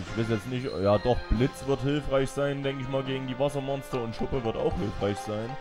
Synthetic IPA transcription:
ɪçv̥ɪsjɛt͡stnɪçjaːdɔχb̥lɪt͡sv̥ɪɐthɪlfʁaɪçz̥aɪndɛŋkəɪçmaːlɡeːɡŋ̩diːvasɐmɔnstɐʊntʃʊpəvɪɐta̰ʊxhɪlfʁ̥aɪçz̥aɪn

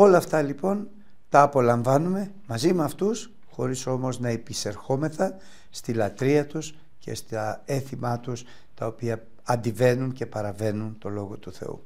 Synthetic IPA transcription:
o̞lɐːft̪ɐlipo̞n | t̪ɐːpo̞lɐɱvɐnume̞ | mɐzimeɐft̪us | xo̞ɾiso̞mo̞znɐepise̞ɾxo̞me̞θɐn | st̪ilɐt̪ɾiɐt̪us | ce̞̰st̪ɐe̞θimɐt̪us | t̪ɐo̞piɐ | ɐnd̪ive̞nunce̞pɐɾɐve̞nunt̪o̞lo̞ɣo̞t̪uθe̞̰ṵ

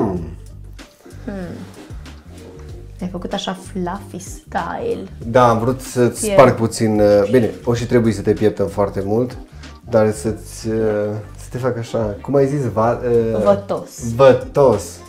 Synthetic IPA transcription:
jajfəkut̪aʃaflafiska̰jld̪aːmvɾut̪sət̪sʲpark̚put̪sinbine̞oʃit̪ɾe̞bujesət̪e̞pjep̚t̪əmfoart̪e̞mult̪ | d̪arsət̪sʲəsə̥t̪efakaʃakumajzisvaəvət̪osvət̪os

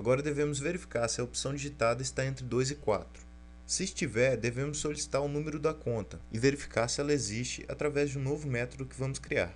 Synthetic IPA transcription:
aɡɔɾɐd̪evẽmʊzveɾifi̥kaɾsɪɐopsɐ̃w̃d͡ʒiʒit̪ad̪ɐɪst̪aẽnt̪ɾɪd̪ojzɪkwa̰t̪ɾʊ̥ | sɪːst͡ʃivɛɾd̪evẽmʊsːolisi̥t̪aɾʊnũmeɾʊd̪ɐkõnt̪ɐɪveɾifi̥kaɾsɪɛlɐezist͡ʃɪ̰ʔa̰t̪ɾavɛzd͡ʒɪũnovʊmɛt̪od̪ʊkɪvɐ̃mʊskɾia̰ɾ

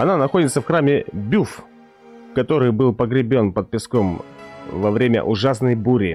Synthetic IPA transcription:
ɐnanɐxodʲɪt̪səfxɾamʲɪbʲuf | kɐt̪o̞ɾɨjbɨlˠpəɡɾʲɪbʲo̞npət̪̚pʲɪskomvɐvɾʲemʲə̰ʔʊʐasnəjbuɾʲɪ

